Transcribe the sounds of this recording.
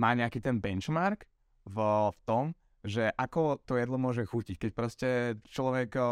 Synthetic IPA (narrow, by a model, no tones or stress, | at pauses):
maːɲɛakiːt̪ɛnbɛnt͡ʃmaɾk | vft̪ɔm | ʒɛʔakɔt̪ɔjɛd̪lɔmʊɔʒɛxucickɛcpɾɔscɛt͡ʃlɔʋɛk